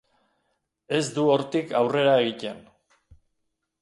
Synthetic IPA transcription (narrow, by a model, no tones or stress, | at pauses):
e̞zd̪uo̞ɾt̪ika̰wre̞ɾaeɣic̪e̞n